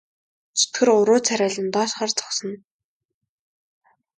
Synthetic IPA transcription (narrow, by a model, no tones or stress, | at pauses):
t͡sʊ̥t̪ɡɘ̆rʊɾʊːt͡sʰæɾʲæːɮə̆nt̪ɔːʃχaːrt͡sʰɔ̥χsɞ̆n